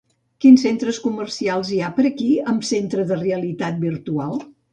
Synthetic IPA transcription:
kinsent̪ɾəskumərsialˠziapəɾəkiəmsent̪ɾəðəreəlit̪at̪̚biɾt̪ualˠ

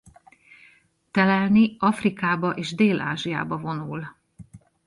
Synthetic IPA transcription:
t̪ɛlɛlniɒfrikaːbɒʔeːʒd̪eːlʔa̰ːʒija̰ːbɒvo̞nul

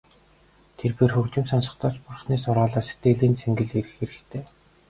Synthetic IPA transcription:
t̪ʰerpeːrxɵkt͡ɕɪ̆msansə̆χt̪ɔːt͡ɕpʊrχniːsʊɾɔːɮaːse̥t̪eːɮiːnt͡sʰeŋɡɘ̆ɮeɾɘ̆xeɾɘ̆xt̪ʰeː

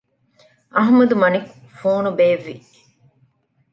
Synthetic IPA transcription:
ʔɐɦmɐd̪umɐnik | foːnubeːʋːi

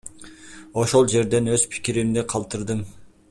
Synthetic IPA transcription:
oʃo̞lˠd͡ʒe̞ɾd̪e̞nøzpʰɪ̥kʲiɾɪmd̪ɪqʰɑlˠt̪ɯɾd̪ɯm

